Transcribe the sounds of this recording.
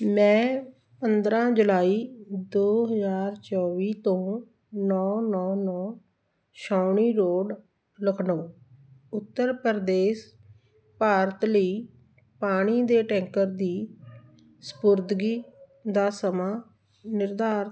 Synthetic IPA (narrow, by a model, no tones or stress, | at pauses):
mɛ̃ː | pənd̪ɾãːd͡ʒəlaːiːd̪oːɦəzaːɾt͡ʃɔːʋiːt̪õː | nɔːnɔːnɔː | ʃaːɳiːɾoːɖ | ləkʰnoː | ʊt̪ːəɾpəɾd̪eːs | paːɾət̪ləiː | paːɽ̃iːd̪eːʈɛ̃ːŋkəɾd̪iː | sə̥pʊɾd̪ɡiː | d̪aːsəmaː | nɪɾd̪aːɾ